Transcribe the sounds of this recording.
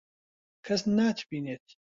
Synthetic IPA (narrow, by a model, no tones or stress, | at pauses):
kʰɐsnaːt̪ʰbiːneːt̪̚